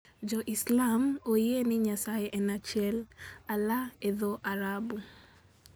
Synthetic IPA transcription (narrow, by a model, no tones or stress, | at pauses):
d͡ʒɔʔislamojenɪɲasajeʔɛnat͡ʃjɛlalaeðoʔaɾabu